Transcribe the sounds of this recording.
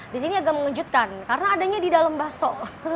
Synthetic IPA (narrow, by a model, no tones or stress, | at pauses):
disiniaɡaməŋəd͡ʒut̪̚kankaɾənaːdaɲadidalambasɔ